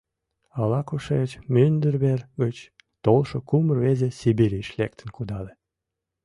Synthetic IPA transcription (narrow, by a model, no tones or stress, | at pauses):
ɑlɑkuʃet͡ɕmynd̪ərβerɣət͡ɕ | t̪olʃokumərβezesibiɾiʃlek̚t̪ə̆nkud̪ɑle